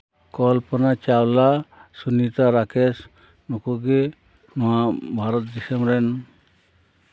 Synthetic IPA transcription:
kɔlpɔnat͡ʃalasunit̪aɾakʰes | nokoɡe | nɔabʱaɾɔt̪d̪isemɾen

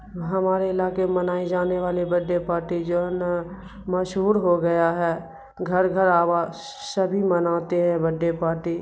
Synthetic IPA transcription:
ɦɐmaːɾeɪlaːkemənaːid͡ʒaːneʋaːlibəɖːepaːɾʈid͡ʒon | məʃɦuːɾɦoɡɐjaɦɛː | ɡʱəɾɡʱəɾaːʋa | səbʱimənaːt̪eɦɛ̃bəɖːepaːɾʈiː

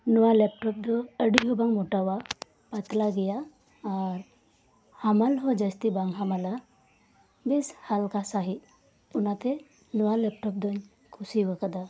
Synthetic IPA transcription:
nuʋalɛp̚ʈɔp̚d̪ɔəɽiɦobãŋɡmoʈaʋa | pat̪laɡɛjaː | ɾ | hamalɦɔd͡ʒəst̪ibaŋɡɦamala | beshalkasaɦi | unat̪e | nuʋalɛp̚ʈɔp̚d̪ɔɲ | kʰusiʋəkəd̪a

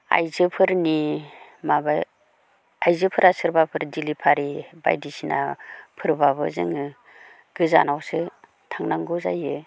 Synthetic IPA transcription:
a̰jzɯpʰɯɾnimabaj | ajzɯpʰɯɾasɯɾbapʰɯɾdilipʰaɾiba̰jdisina̰pʰɯɾbaβɯ̰zɯ̰ŋɯ | ɡ̥ɯza̰nawsɯ | tʰaŋnaŋɡuza̰jɯ

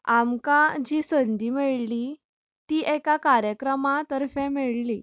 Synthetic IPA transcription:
amkad͡ʑiːsənd̪iːmeɭli | t̪iːʔɛkakaɾjəkɾəmat̪əɾfɛ̃meɭliː

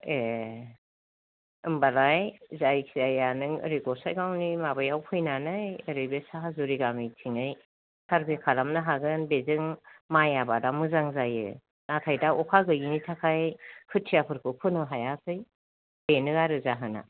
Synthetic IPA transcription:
e | ɯmbalajzajkʰiajanɯŋɯ̰ɾiɡɔsajɡawnimabajawkʰɯjnanɯjɯɾɯjbesaɦazuɾiɡamijtʰiŋɯj | sʰaɾbʰikʰalamnɯɦaɡɯnbezɯŋmajabadamɯzaŋzajɯ̰ | natʰajdaʔɔkʰaɡɯɡinitʰakʰajhʰɯtʰːijapʰɯɾkʰɯpʰɯnɯɦajakʰɯj | benɯaɾɯzaɦɯna̰

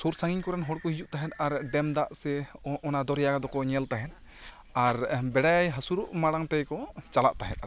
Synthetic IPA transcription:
suɾsaŋiɲkɔɾɛnɦɔɽkɔhid͡ʒuʔt̪aɦɛt̪̚aɾɖɛmd̪aʔsɛɔnad̪ɔɾjaɡad̪ɔkɔɲɛlt̪aɦɛn̚ | aɾbɛɽajɦəsuɾɔʔmaɽaŋt̪ɛjkɔt͡ʃalaʔt̪aɦɛt̪̚a

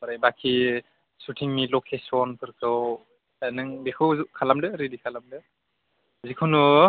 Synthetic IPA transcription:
baɾajbakʰi | sutʰiŋmilokʰesɔnpʰɯɾkʰɯw | anɯŋbekʰɯwzukʰalamdɯɾidikʰalamdɯ | zikʰunu

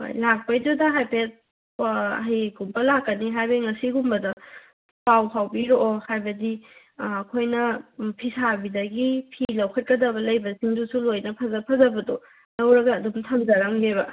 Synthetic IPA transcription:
jlak̚pɐjdudɐɦajpet̚ | ɦijɡumbɐlakːɐniɦajbɐiŋɐsiɡumbɐdɐ | pawpʰawbiɾoʔhajbɐdiː | kʰojnɐpʰisʰabidɐɡipʰilɐwkʰɐt̚kɐdɐbɐlɐjbɐsiŋdusulojnɐpʰɐzɐpʰɐzɐbɐdo | nɐwɾɐɡɐːdumtʰɐmzɐɾaŋbeβɐ

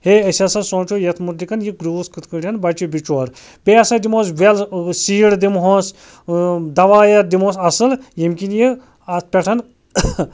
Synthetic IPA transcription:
heɐsʲɐsɐsõːnt͡ʃʰoːjɐt̪ʰmut̪likɐnjiɡɾuːskɨt̪kɨɽʲɐnbɐt͡ʃibit͡ʃoːɾ | beɐsɐd̪imoːsʋelsiːɽd̪imɦos | d̪ɐʋaːjɐɾd̪imoːsɐsɨljimkinji | ɐtpʲɛʈʰɐn

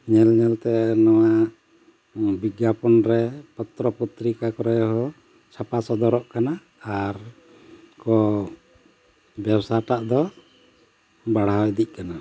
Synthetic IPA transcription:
ɲɛlɲɛlt̪ɛnɔwaʔ | biɡjapɔnɾɛpɔt̪ɾɔput̪ɾikakɔɾɔjɦɔ | t͡ʃʰapasɔd̪ɔɾɔʔkanaː | ɾ | kɔ | bjabsaʈaʔd̪ɔ | baɽ̤awɛd̪ic̚ˀkana

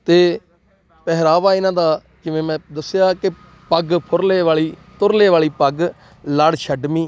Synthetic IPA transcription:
t̪eː | pɛɦɾaːʋaːɪnãːd̪aː | kɪʋẽːmɛ̃ːd̪əsjaːkɪ | pəɡpʰʊɾleːʋaːɭiːt̪ʊɾleːʋaːɭiːpəɡ | ləɽʃʰəɖmĩː

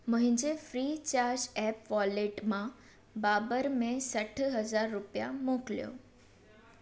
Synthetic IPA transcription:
mʊ̃ɦɪ̃ɲd͡ʑefɾiːt͡ɕaːɾd͡ʑɛpʋɔleʈmã | baːbəɾmẽsəʈʰɦəzaːɾːʊpjamokljo̰

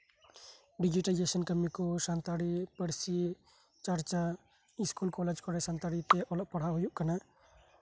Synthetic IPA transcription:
ɖid͡ʒiʈajd͡ʒesənkəmːikɔsant̪aɽipəɽsi | t͡ʃəɾt͡ʃa | iskulkɔlɛd͡ʒkɔɾɛsant̪aɽit̪eʔɔlɔʔ̚pəɽ̤aɦujuʔkana

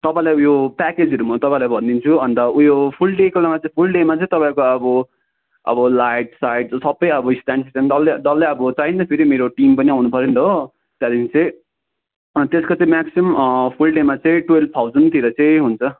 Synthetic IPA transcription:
t̪ʌpãĩlajujopaked͡zʌɾumat̪ʌpãĩlajbʱʌnd̪int͡sʰuʌnt̪ʌujopʰulɖekolamat͡sʌĩpʰulɖemat͡sʌ̃ĩt̪ʌpãĩkoʌbʌ | ʌ̰bʌlajʈ̚sajʈsʌbːʌjʌbʌisʈaɳsisʌnd̪ʌlːed̪ʌlːeʌbʌt͡saind̪ʌpʰeɾimeɾoʈimpʌniawnupʌɾind̪ʌɦo | t̪jad̪int͡sʌĩ | t̪eskot͡sʌ̃ĩmaksimpʰulɖemat͡sʌĩʈwelp̚t̪ʰawzʌnt̪iɾʌt͡sʌĩɦunt͡sʰʌ

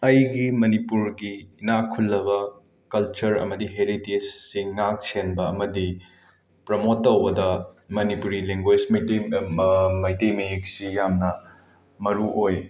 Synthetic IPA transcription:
ɐjɡimɐnipuɾɡinakʰulːɐβɐ | kɐlt͡ʃɐɾɐ̰mɐdiɦeɾitesːiŋnak̚senbɐːmɐdi | pɾomotːɐwbɐdɐmɐnipuɾileŋɡwed͡ʒm | mɐjtejmiiksijamnɐ | mɐɾuʔoj

